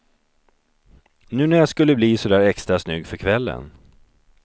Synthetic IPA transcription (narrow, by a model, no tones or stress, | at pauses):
nʉ̟ːnæɾjaskɵlːəbliːsɔd̪æːɾɛkst̪ɾasnʏɡːfœɾkʰvɛlːə̰n